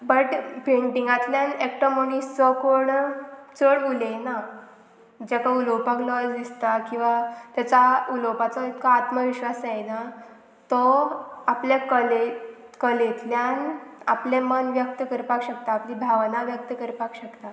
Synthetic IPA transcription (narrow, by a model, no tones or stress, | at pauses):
bəʈpeɳʈiŋɡãt̪ljãnekʈɔmənissəkoɳt͡səɽulena | d͡ʑakaulowpaklɔsd̪ist̪akĩw̃ʋat̪jat͡sauləwpat͡sɔit̪kaːt̪məʋiɕʋasajna | t̪ɔapljakəle | kəlet̪ljana̰plẽmənʋjək̚t̪əkəɾpakɕək̚t̪aːpliːbʱaʋnaʋjək̚t̪əkəɾpakɕəkt̪a